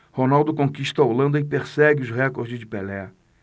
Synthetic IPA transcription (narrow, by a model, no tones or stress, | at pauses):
honawd̪ʊkõkiʃt̪ɐolɐ̃nd̪ɐɪpeɾsɛɡɪʊzɦɛkoɾzɪd͡ʒɪpelɛ